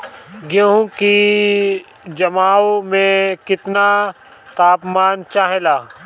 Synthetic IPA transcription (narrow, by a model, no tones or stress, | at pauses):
ɡẽɦũki | d͡ʒɐmaːwmẽkɪt̪na | t̪aːpmaːnt͡ʃaːɦelaː